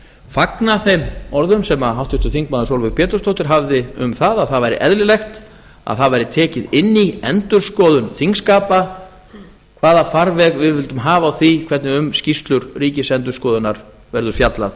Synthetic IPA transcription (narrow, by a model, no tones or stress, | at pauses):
faknaθejmɔɾðʏmsɛmaɦawht̪ʏst̪ʏθiŋk̚maːðʏsowlvʏɣpɛːt̪ʏ̥st̪owht̪ɪɾ̥ɦavðɪʏmθaðaðθaðvajɾɪ̰ʔɛðlɪlejxt̪ | a̰ðθaðvajɾɪt̪ʰɛːcɪðɪnːiɛnt̪ʏɾ̥skɔːðʏnθiŋkskaːpa | kʰvaːðafaɾvɛɣvɪðvɪlt̪ʏmɦaːvaːwθikʰvɛɾt̪nɪʏmscist̪lʏɾriːcɪsɛnt̪̬ʏ̥skɔːðʏnaɾ | vɛɾðʏɾfjat̪lað